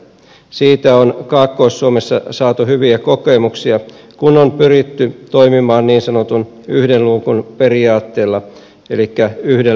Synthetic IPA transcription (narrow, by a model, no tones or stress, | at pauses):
siːt̪æonkɑːkːoːsːuomesːɑsɑːt̪uhyʋiæko̞kemuksiɑ | kunompyɾit̪ːyt̪o̞imimɑːnniːnsɑnot̪un | yhdelluːkunpe̞riɑːt̪ːe̞ːlːɑ | elikːæyhde